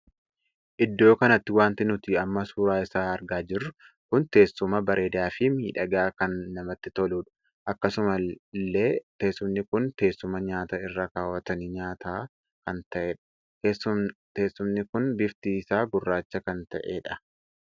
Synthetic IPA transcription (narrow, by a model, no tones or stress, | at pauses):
ʔɪd̪ːo̞ːkɐnɐt̪ːɪwaːnt̪ɪnʊt̪ɪɐmːɐsuːɾaːɪsaːɐɾɡaːd͡ʒɪrːʊ | kʊnt̪e̞ːsːʊmɐbɐɾʔe̞ːd̪aːfɪmiːᶑɐɡaːkɐnːɐmɐt̪ːɪt̪ɔluːᶑʊ̥ | ʔɐkːɐsʊmɐlːe̞ːt̪eːsːʊmnɪkʊnt̪e̞ːsːʊmɐɲaːt̪aːɪrːakaːwɐt̪ɐnɪɲaːt̪ʰaː | kɐnt̪ɐʔeᶑɐ̥ | t̪eːsːʊmnɪkʊnbɪft̪iːsaːɡʊrːaːt͡ʃːɐkɐnt̪ɐ̰ʔḛːᶑɐ̥